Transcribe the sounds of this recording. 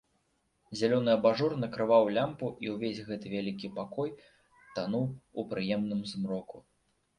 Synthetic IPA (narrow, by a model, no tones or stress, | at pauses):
zʲalʲɔnɨɐbaʐɔrnɐkɾɨvawlʲampuʔiwvʲesʲɣɛt̪ɨvʲalʲikʲipakɔj | t̪anuwupɾɨjɛmnɨmzmɾɔku